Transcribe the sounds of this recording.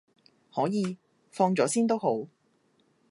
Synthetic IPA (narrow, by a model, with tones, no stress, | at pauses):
hɔː˨˥jiː˨˧ | fɔː˧ŋt͡sɔː˨˥siː˥nt̪o˥wɦo˨˥w